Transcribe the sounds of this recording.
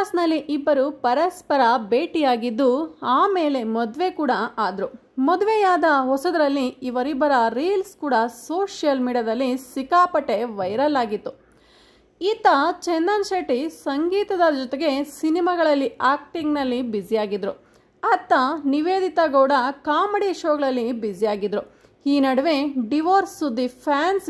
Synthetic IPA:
snɐlːiʔibːɐɾupɐɾɐspɐɾɐbe̞ːʈijaːɡid̪ːuaːme̞ːle̞mɔd̪ʋe̞kuːɽɐaːd̪ɾu | mɔd̪ʋejaːd̪ɐɦɔsɐd̪ɾɐlːiːʋɐɾibːɐɾɐɾiːlskuːɽɐso̞ːʂijɐlmiːɖijɐd̪ɐlːisikaːpɐʈːe̞ʋɐjɾɐlaːɡit̪ːu | iːt̪ɐt͡ʃend̪ɐnʃeʈisɐŋɡiːt̪ɐd̪ɐd͡ʒɔt̪eɡe̞sinimaɡɐɭɐlːiaːk̚ʈiŋɡnɐlːibid͡ʒijaːɡid̪ɾu | ɐt̪ːɐniʋeːd̪it̪ɐɡoːɽɐkaːmeɽiʃoːɡɐɭɐlːibid͡ʒijaːɡid̪ɾu | hiːnɐɽɐʋeɖiʋoːɾsud̪ipʰaːns

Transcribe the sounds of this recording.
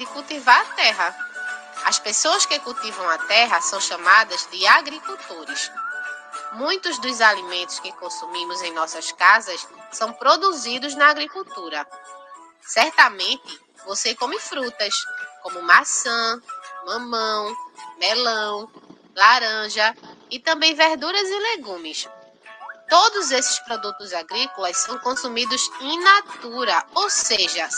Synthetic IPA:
d̪ɪkuwt̪ivaɾat̪ɛɦɐ | ɐ̰spesoɐskɪkuwt̪ivɐ̃w̃at̪ɛɦɐsɐ̃w̃ʃɐ̃mad̪ɐzd̪ɪaɡɾikuwt̪oɾɪs | mũj̃t̪ʊzd̪ʊzalimẽnt̪ʊ̥skɪkõsumĩmʊzẽj̃nɔsɐskazɐssɐ̃w̃pɾod̪uzid̪ʊznɐaɡɾikuwt̪uɾɐ | sɛɾt̪ɐmẽt̪ɪ | vosekõmɪfɾut̪ɐskõmʊmasɐ̃mɐ̃mɐ̃w̃melɐ̃w̃ | laɾɐ̃ʒɐɪt̪ɐ̃mbẽj̃veɾd̪uɾɐzɪleɡũmɪs | t̪od̪ʊzesɪ̥spɾod̪ut̪ʊzaɡɾikolɐssɐ̃w̃kõsumid̪ʊzẽj̃nat̪uɾɐowseʒɐ

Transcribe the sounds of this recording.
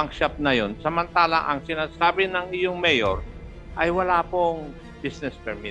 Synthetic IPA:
ɐŋʃap̚nɐjonsɐmɐnt̪aːlɐʔɐŋsɪnasaːbɪnɐŋɪjoŋmɛjoɾ | ʔɐjwɐlaːpoŋ | bisnɛspɛɾmɪ

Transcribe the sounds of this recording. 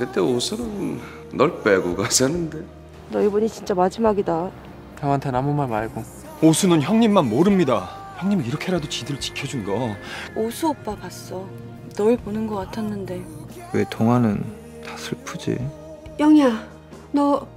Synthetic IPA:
kɯt͈eosʰunɯnː | ʌɭp͈eɡuɡasʰenːɯnde̞ | nʌibʌɲit͡ɕint͡ɕ͈amad͡ʑimaɡida | kaŋɦantʰenamumaɭmaɭɡo | osʰunɯnçjaŋɲimːanmoɾɯmɲida | çjaŋɲimiiɾʌkʰeɾadot͡ɕidɯɾɯɭt͡ɕi̥kʰjʌd͡ʑunɡʌosʰuʌp̚p͈akas͈ʌ | nʌɭponɯnɡʌk͈atʰanːɯnde̞ | we̞toŋanɯn | tasʰɯɭpʰud͡ʑḭ | jʌŋja | nʌ

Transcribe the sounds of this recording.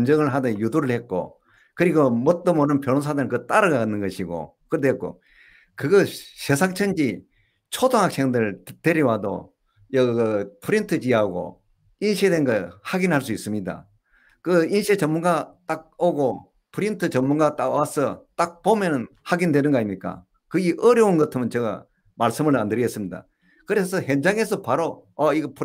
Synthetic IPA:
nd͡ʑʌŋɯɭɦadɯjuduɾɯɭhet̚k͈o̰ | kɯɾiɡomʌt̚t͈ɯmonɯnpjonons̬ʰadɯɯkɯt͈aɾɯɡaɡanːɯnɡʌɕʰiɡo̰kɯɾd̪ek͈o̰ | kɯɡʌɕesʰaŋt͡ɕʰʌnd͡ʑi | t͡ɕʰodoŋɦak̚s͈e̞ŋdɯɭteɾiwado̰ | jʌpʰuɾintʰɯd͡ʑiaɡo̰ | inɕʰiedenɡʌhaɡinɦaɭs̬uis͈ɯmɲida̰ | kɯinɕʰiet͡ɕʌmunɡat͈ak̚oɡo | pʰɯɾintʰɯt͡ɕʌmːunɡat͈awasʰʌt͈ak̚pomjʌnɯn | haɡindwe̞nɯnɡʌaɲimɲik͈a̰ | kɯiʔʌɾjʌunɡʌtʰɯmɯnt͡ɕʌɡa̰ | maɭs͈ɯmɯɭmandɯɾiɡe̞ts͈ɯmɲida̰ | kɯɾesʰʌɦend͡ʑaŋe̞sʰʌpaɾoʌiɡʌpʰ

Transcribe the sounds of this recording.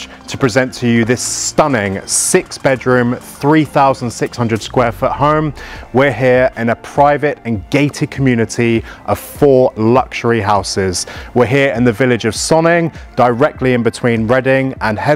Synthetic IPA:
tʰə̥pʰɹ̥ɪzɛ̃ntʰəjəðɪstʌnɪ̃ŋsɪksb̥ɛdɹʉ̃ːmθɹiːθaʊzə̃n̩d̥sɪkshʌ̃ndɹəd̥skwɛːfəʔhə̃ʊ̃mwɪɹɦɪəɹʔɪ̃nəpʰɹ̥aɪvətə̃nɡeɪtʰɪkʰəmjʉːnɪtʰiʔəv̥fɔːlʌkʃəɹiɦaʊsɪz̥wɪɦɪəɹɪ̃nðəvɪlɪd͡ʒəv̥sɒnɪ̃ŋd̥əɹɛk̚tʰliɪ̃nbɪtʰw̥ĩːnɹɛdɪ̃ŋə̃nhɛ

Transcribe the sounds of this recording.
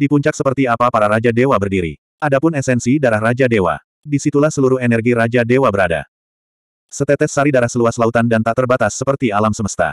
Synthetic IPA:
dipuɲt͡ʃak̚səpərt̪iapapaɾaɾad͡ʒadewabərdiɾḭ | ʔadapʊnɛsɛnsidaɾahrad͡ʒadewa̰ | disit̪ulahsəluɾʊhenɛrɡiɾad͡ʒadewabəɾada̰ | sət̪ɛt̪ɛsːaɾidaɾahsəluaslaut̪andant̪aʔt̪ərbat̪asːəpərt̪ialamsəməst̪a̰

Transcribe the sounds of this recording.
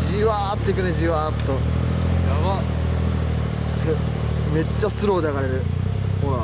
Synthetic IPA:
d͡ʑiβaːpɯ̥t̪ek̬ɯned͡ʑiβapɯ̥t̪o | jaβa | met͡ɕːasɨɾoːd̪eaɣaɾeɾɯ̟ | hoɾa

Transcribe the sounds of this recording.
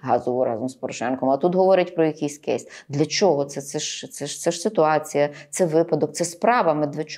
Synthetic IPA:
ɦɑzɔʋʊɾɑ̰zɔmspɔɾɔʃɛnkɔmɐt̪ut̪ɦɔʋɔɾɪtʲpɾɔjɐkʲijsʲkɛsʲd̪lʲɐt͡ʃɔɦɔt̪sɛt̪sɛʃt̪ɛʃt̪sɛʃsɪt̪ʊɑt͡sʲijɐt̪sɛʋɪpɐd̪ɔk̚t̪sɛspɾɑʋɐmɛd̪ʋʲɪt͡ʃ

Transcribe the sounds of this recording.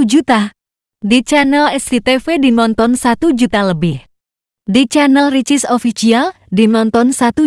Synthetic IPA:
d͡ʒut̪a | dit͡ʃanəlɛstit̪efedinɔnt̪ɔnsat̪ud͡ʒut̪aləbɪh | dit͡ʃanəlrit͡ʃɪsofisial | dinɔnt̪ɔnsat̪u

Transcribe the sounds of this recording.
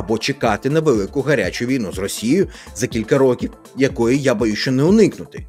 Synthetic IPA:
ɐbɔt͡ʃekɑt̪ɪnɐʋelˠɪkʊɦɐɾʲa̰t͡ʃʊʋʲijnuzrɔsʲijʊ | zɐkʲilʲkɐɾɔkʲiw | jɐkɔjijabɐjuʃt͡ʃɔnɛʊnɪknʊt̪ɪ̥

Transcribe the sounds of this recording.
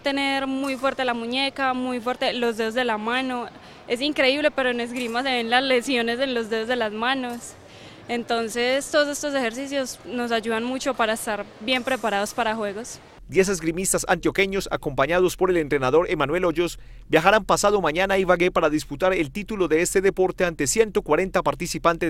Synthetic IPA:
t̪e̞ne̞ɾmujfwe̞ɾt̪e̞lamuɲe̞kamujfwe̞ɾt̪e̞lo̞zd̪e̞ðo̞zðd̪e̞lamano̞ | e̞siŋkɾe̞iβle̞pe̞ɾoenezɡɾimase̞βe̞nlazle̞sjo̞ne̞se̞nlo̞zd̪e̞ð̞o̞zd̪e̞lazmano̞s | e̞nt̪o̞nse̞st̪oðos̬e̞st̪o̞s̬e̞xe̞ɾsis̬jo̞sno̞s̬aʝuðanmut͡ʃo̞paɾaest̪aɾbje̞mpɾe̞paɾað̞o̞spaɾaxwe̞ɣo̞s | d̪je̞s̬ezɡɾimist̪asa̰nt̪jo̞ke̞ɲo̞sa̰ko̞mpaɲað̞o̞spo̞ɾe̞lent̪ɾe̞naðo̞ɾe̞mãnwe̞loʝo̞s | bjaxaɾampasaðo̞mãɲanaiβaɣe̞paɾaðisput̪aɾe̞lt̪it̪ulo̞ðe̞est̪e̞ðe̞po̞ɾt̪e̞ant̪e̞sje̞nt̪o̞kwaɾe̞nt̪apaɾt̪isipant̪e

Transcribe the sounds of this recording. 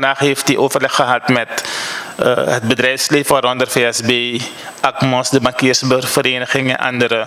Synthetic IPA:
əndɐːχɦeːftdiʔoːfərlɛχːəɦɐtmɛt | ə̰ɦət̚bədrɛjfsleːfaːɾɔndərfeɛsbeː | ɐkmɔːsdəmakiərsəbəfəɾeːnəχɪŋɛ̰nʔɐ̰ndəɾə

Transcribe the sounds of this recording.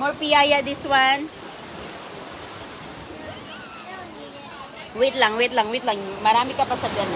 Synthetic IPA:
moɹfijajɐd̪ɪswan | wɪt̪laŋwɪt̪laŋwɪt̪laŋmɐɾaːmɪkɐpɐsɐɡana

